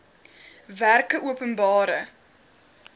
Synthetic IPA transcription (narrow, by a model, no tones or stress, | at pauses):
værkəʔuəpənbɑːɾə